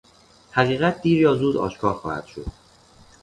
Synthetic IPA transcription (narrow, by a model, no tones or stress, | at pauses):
hæʁiːɣæt̪̚d̪iːɾjɒːzuːd̪ɒ̰ːʃkʰɒːxɒ̰ːhæ̰d̪̥ʃo̰d̪̥̚